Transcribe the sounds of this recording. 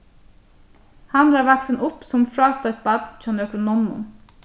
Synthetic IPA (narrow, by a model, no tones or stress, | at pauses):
hɑnɾɑːʋæksənʔʊpsɔmfɾɑːst̪ɔʏt̪̚bɑd̪̥t͡ʃɑnøkɾʊnɔnʊ̰n